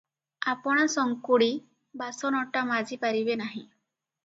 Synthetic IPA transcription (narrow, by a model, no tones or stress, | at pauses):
apɔɽ̃asɔŋkuɽi | basɔnɔʈamad͡ʒipaɾibenaɦĩ